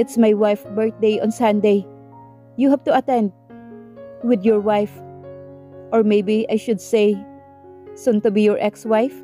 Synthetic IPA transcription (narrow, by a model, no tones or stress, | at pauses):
ɪt̪smajwajfbɛɹt̪̚d̪ejʔɔ̃nsãnd̪ej | juɦavt̪ʊɐt̪ɛ̃nd̪̚ | wɪd̪jɔɹwajf | ʔɔɹmejbiʔajʃʊd̪sej | sʊ̃nt̪ʊbijɔɹʔɛkswajf